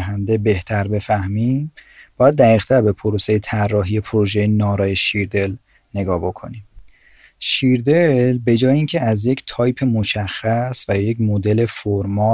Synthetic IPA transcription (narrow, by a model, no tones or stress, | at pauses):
ɦænd̪e̞be̞ht̪ʰæɾbe̞fæhmimbɒːjæd̪̚ːæɣiːɣt̪ʰæɾbe̞pʰoɾose̞jet̪ʰærːɒːɦije̞pʰoɾoʒejenɒːɾɒːjeʃiɾd̪e̞l | ne̞ɡɒːbo̞kʰo̞̰nim | ʃiɾd̪elbe̞d͡ʒɒːjeiːncʰeæzje̞ct̪ʰɒːjpʰe̞mo̞ʃæxːæsvæjecmod̪e̞le̞foɾmɒː